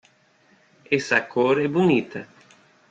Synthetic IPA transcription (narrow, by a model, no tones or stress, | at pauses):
ɛsɐkʰoɾɛbunit̪ɐ